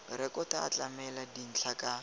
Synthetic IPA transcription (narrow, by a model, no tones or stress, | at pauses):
rɛkʼɔta̰ːt͡ɬʼamɛladin̩t͡ɬʰakʼa